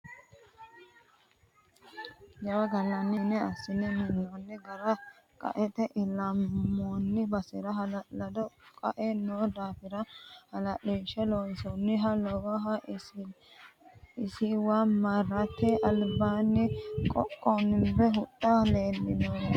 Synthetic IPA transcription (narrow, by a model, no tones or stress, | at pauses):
jɐwɐɡɐlːɐnːɪnɛɐsːɪnɛmɪnːonːɪɡɐɾɐ | kʼɐ̰ʔɛt̪ɛʔɪlɐmːoːnːɪbɐsɪɾɐɦɐlɐlɐd̪ɔkʼɐ̰ʔɛnoːd̪aːfɪɾɐhɐlɐʔiːʃɛlojsɔnːɪɦɐlɔwɐɦɐ | ɪsɪwaːmɐrːɐt̪ːɛʔɐlbaːnːɪkʼɔ̰kʼːonbɛɦʊtʼːaleːlːɪno